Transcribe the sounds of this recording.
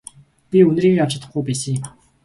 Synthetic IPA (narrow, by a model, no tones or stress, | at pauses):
pʲiɵn̆riːɣekaw̥t͡ɕɪ̆t̪ːə̆χɡujpæːsə̆ŋm